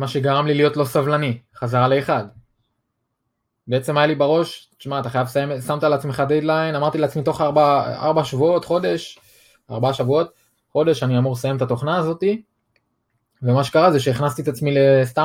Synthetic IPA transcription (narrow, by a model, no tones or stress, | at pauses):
maʃe̞ɡaʁamlilijo̞t̪lo̞savlaniχazaʁale̞ːχad̪ | beet͡se̞majalibaʁo̞ʃt̪iʃmaːt̪aχajavsajemsamt̪aleat͡sme̞χad̪ejd̪lainamaʁt̪ileat͡smit̪o̞χaʁbaa̰ʁbaʃavuo̞t̪χo̞d̪e̞ʃ | a̰ʁbaaʃavuo̞t̪̚ | χo̞d̪e̞ʃaniamuʁlesajemet̪at̪o̞χnaːzo̞t̪i | ve̞maʃekaʁazeʃeiχnast̪iet̪at͡smilest̪a